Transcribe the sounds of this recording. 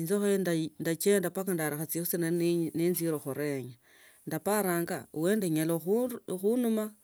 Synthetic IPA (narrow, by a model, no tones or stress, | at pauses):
inzoxojndandat͡ʃendapakandaɾaxat͡sixut͡senanenziɾoxoɾeɲa | ndapaɾaːŋɡa̰ṵweːndeɲaloxuxunuma